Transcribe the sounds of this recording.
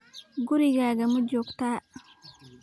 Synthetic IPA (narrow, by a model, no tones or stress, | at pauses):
ɡuɾiɡaːɡamud͡ʒɔkt̪aː